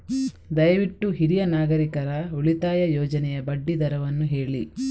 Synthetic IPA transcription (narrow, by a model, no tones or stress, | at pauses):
d̪ɐjʋiʈːuɦiɾijɐnaːɡɐɾikɐɾɐuɭit̪aːjɐjɔːd͡ʒɐnɛjɐbɐɖːid̪ɐɾɐʋɐnːuɦe̞ːɭi